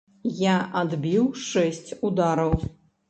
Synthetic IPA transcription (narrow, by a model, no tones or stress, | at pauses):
jaʔad̪bʲiwʂɛsʲt͡sʲud̪aɾɐw